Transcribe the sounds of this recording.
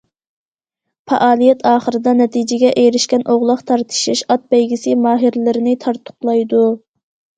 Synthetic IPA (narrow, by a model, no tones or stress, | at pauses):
fɑ̰ʔɑːlˠijɛt̪ʰɑːχəɾɨd̪ɑnɛt̪ʰid͡ʒɪɡʲɛʔejɾɪʃkʲɛnʔoʁlˠəqt̪ʰɑɾt̪ʰɨ̥ʃiʃɑt̪̚bɛjɡʲisɪmɑːɦiɾlɪɾɪnɪt̪ʰɑɾt̪ʰʊ̥qlˠɑjd̪u